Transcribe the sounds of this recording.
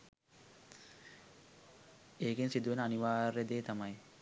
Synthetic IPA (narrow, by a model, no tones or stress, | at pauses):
eːɡensid̪uʋenəaniʋaːɾed̪eːt̪amɐj